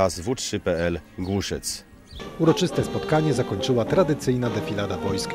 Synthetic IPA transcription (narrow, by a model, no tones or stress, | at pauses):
azvutʂɘpɛɛlɡwuʂɛt̪s | uɾɔt͡ʂɘst̪ɛspɔt̪kaɲɛzakɔɲt͡ʂɘwat̪ɾad̪ɘt̪sɘjnad̪ɛfʲilad̪avɔjsk